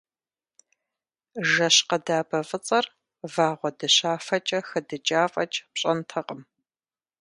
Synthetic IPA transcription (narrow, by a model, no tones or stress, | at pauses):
ʒɐɕqɐdaːbɐfʼɨt͡sʼɐr | vaːʁʷɔdɨɕaːfɐt͡ʃʼɐxɐdɨt͡ʃʼaːfʼɐt͡ʃʼpɕʼɐntʰɐqʼəm